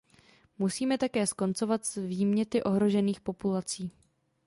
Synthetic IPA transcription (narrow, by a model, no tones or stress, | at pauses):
musiːmɛt̪akɛːsko̞nt͡so̞vat̪zviːmɲɛt̪ɪʔo̞ɦɾo̞ʒɛniːxpo̞pulat͡siː